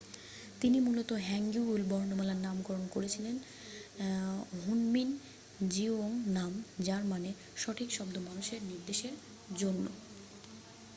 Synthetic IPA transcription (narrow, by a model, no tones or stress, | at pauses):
t̪inimulot̪oɦɛŋɡuulbɔɾnomɛlanamɡɔɾonkoɾet͡ɕʰilen | ɦunmin | d͡ʑioŋnamd͡ʑaɾmane | ʃɔʈʰikʃɔbd̪omanuʃeɾniɾd̪eʃeɾ | d͡ʑonːo̰